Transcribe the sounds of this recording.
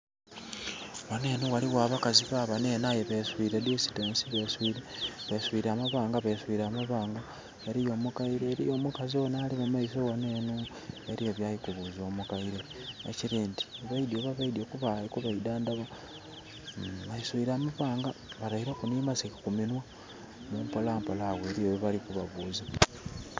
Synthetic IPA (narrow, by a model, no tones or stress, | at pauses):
waneːnuwaliwaːβakaziβaβaneːnajeβeswiɾedesi̥tensiβeswiɾeβeswiɾaːmaβaːŋɡaβeswiːɾamaβaːŋɡa | eɾijo̞mukaiɾeːɾijomukaziwonaːlimumaisowaneːnu | eɾieβjajikuβuzo̞mukaiɾeeciɾiːndi̥βaidioβaβaidiokuβaikuβaidaːndaβa | βaiswiɾamaβwaːŋɡaβalahiɾekunimasikakuminwa | mumpolaːmpolaɣweɾijewoβalikuβaβuːza